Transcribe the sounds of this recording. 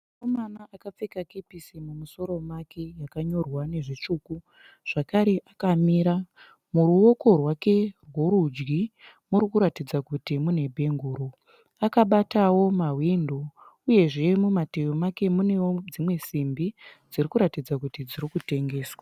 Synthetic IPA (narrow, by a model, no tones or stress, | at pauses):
komanaʔakap͡fekakepisimumuso̞ɾo̞makʰe̞jakaɲo̞rwane̞ʐit͡ʂuːku | ʐ̥akaɾe̞ʔakamiːɾa | muɾuwo̞ko̞rwake̞rwoɾud͡ʒɡi | muɾikuɾatid͡zakutimune̞bʱe̞ŋɡuːɾo | akaɓatawo̞mawindo | uje̞ʐe̞mumatejomake̞mune̞wod͡zimwe̞simbid͡zirikuɾatid͡zakutid͡ziɾikute̞ŋɡe̞ːswa